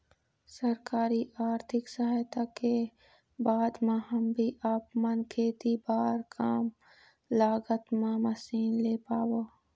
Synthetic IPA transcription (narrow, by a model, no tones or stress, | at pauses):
sɐɾkaːɾiʔaːɾt̪ʰɪksɐɦajt̪ake | baːd̪mẽɦɐmbʱiʔɐpmɐnkʰeːt̪ibaːɾkʰaːm | laːɡət̪mãmɐsiːnleːpaːwoː